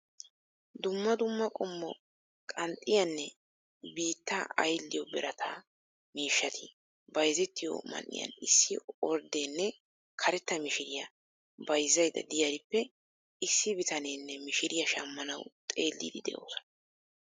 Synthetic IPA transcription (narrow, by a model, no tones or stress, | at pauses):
d̪ʊmːɐd̪ʊmːɐkʼɔmːɔ | kʼɐnt̪ʼːɪjɐnːɛ | biːt̪ːɐɐjlːɪjɔbɛɾɐt̪ʰaː | miːʃːɐt̪ʰi | bɐjzɛt̪ːɪjɔ̰mɐ̰nʔɪ̰jɐ̰nɪsːɪɔɾd̪eːnːɛ | kʰɐɾɛt̪ːɐmɪʃɪɾɪjɐ | bɐjzːɐjd̪ɐ̰d̪ɪjɐɾɪpːɛ | ɪsːɪbɪt̪ɐneːnːɛmɪʃɪɾɪjɐʃɐmːɐnɐwt̪ʼeːlːḭːd̪ɪd̪ɛ̰ʔo̰ːsɐ̥nɐ